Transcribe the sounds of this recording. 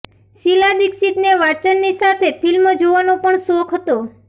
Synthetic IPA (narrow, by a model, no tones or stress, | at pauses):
silad̪iksit̪neʋat͡ʃənːisat̪ʰefilməd͡ʒoʋanopəɳsokʰɦət̪o